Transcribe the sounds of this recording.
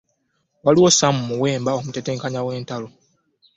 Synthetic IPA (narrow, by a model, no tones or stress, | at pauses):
waliwo̞samumuwe̞ːmbao̞muteteːŋkaɲawe̞ːntalo̞